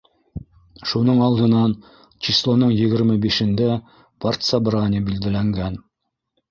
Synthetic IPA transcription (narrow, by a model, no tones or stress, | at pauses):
ʃunɤɴɑlˠd̪ɤ̆nɑn | t͡ɕislˠonɤɴjɘ̆ɡɘ̆ɾmɘbiʃɘ̆nd̪æ | part̪sabɾanʲɪbild̪ɘ̆læŋɡæn